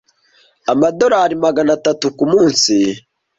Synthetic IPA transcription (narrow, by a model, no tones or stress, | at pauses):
amado̞ɾaɾimaɡanatatukumuːnsi